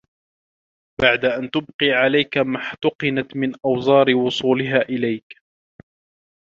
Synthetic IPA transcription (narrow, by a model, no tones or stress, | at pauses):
baʕd̪aʔant̪ʊbqiːʕalajkamaħt̪ʊqɨnat̪mɪnʔɑwzˤɑːɾɪwʊsˤuːlɪɦaːʔɪlajk